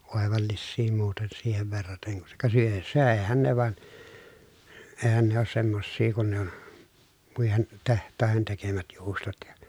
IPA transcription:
oˑeʋɑlːisːiː muːten siːheʋ ʋerːɑteŋ kun se kuŋ kɑ syø søˑehæn ne ʋɑn eːhæn ne oːs semːosːiː kun ne on muihen tehtˑɑˑehen tekemæt juːstot jɑ

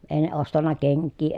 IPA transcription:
eˑi̯ ne ostɑnːɑ keŋkːiː

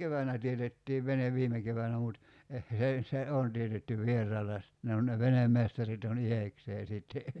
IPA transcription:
keʋænæ tietetːiːʋ ʋeneʋ ʋiːme keʋænæ mut eh s ei se on tietytːy ʋˑierˑɑːlːɑ jɑ sit ne on ne ʋenemːestɑrit on ihekseː siˑtːe

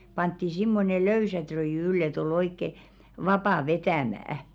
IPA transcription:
pɑntːi simːone løysæ trøiˑjy ylː et ol oikːe ʋɑpɑˑ ʋetæˑmæˑæ̆

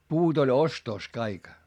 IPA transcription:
puːt olʲ ostos kɑik

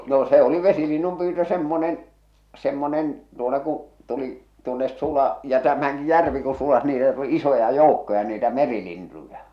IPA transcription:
no se oli ʋesilinːum pyːtø semːonen semːonen tuotɑ ku tuli tuonːes sulɑ jɑ tæmæŋki jærʋi ku sulɑs niːtæ tuli isojɑ joˑukːojɑ niːtæ merilintujɑ

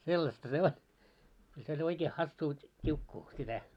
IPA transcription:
selːɑstɑ se o kyl se olʲ oikeː hɑsːuː tʲiukːuː sitæ

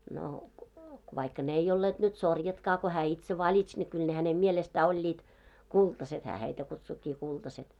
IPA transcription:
no ʋɑikːɑ n ei olːeːd̥ nyt sorjɑtkɑː ko hæː itse ʋɑlʲits ne kyl hænem mielestæ olʲːiːt kultɑset hæː heitæ kutsukːiː kultɑset

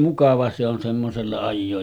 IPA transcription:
mukɑʋɑ se on semːoselːɑ ɑjːoːj

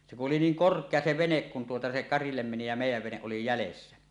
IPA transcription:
se kuʔ ʔoli niːŋ korkˑeɑ se ʋenek kun tuotɑ se kɑrilːem meni jɑ meˑijˑæʋ ʋeneʔ ʔoli jælesːæ

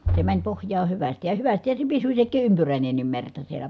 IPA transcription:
se mænʲ pohjˑɑː hyʋæstij jɑ jɑ hyʋæstihæ se pisy sekˑiː ʔympyræˑinenːim mertɑ sielˑæ

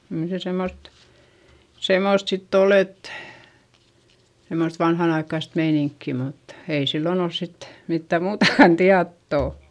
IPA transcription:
kyl se semːost semːoˑst sitː ol et semːost ʋɑnhɑn ɑikːɑist meiniŋkːi mut ei silːon ols sit mitːæ muːtɑkɑn tiɑtːoˑ

